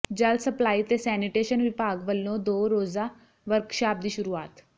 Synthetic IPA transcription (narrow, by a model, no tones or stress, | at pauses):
d͡ʑəlsəplaːiːt̪esɛːniʈeːʃənʋɪpaːɡʋəlːõd̪oːɾoːza | ʋəɾkʃaːp̚d̪iːʃʊɾuaːt̪